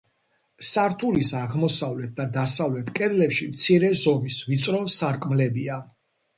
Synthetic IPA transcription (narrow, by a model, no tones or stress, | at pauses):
saɾt̪ʰulisaʁmɔsavlɛt̪̚ʰd̪ad̪asavlɛt̪ʰkʼɛd̪lɛpʃimt̪sʰiɾɛzɔmisvit̪sʼɾɔsaɾkʼmlɛbia